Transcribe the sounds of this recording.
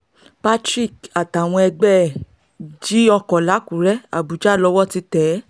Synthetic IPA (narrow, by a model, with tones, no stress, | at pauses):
pa˦tɾi˦˨ka˨ta˨w̃ɔ̃˧ɛ˧ɡ͡bɛ˦˨ | d͡ʒi˦ɔ˧kɔ̃˨la˨˦kũ˨ɾɛ˦a̰˨bu˨d͡ʒa˦˨lɔ˧˦wɔ˦˨ti˧tɛ˨˦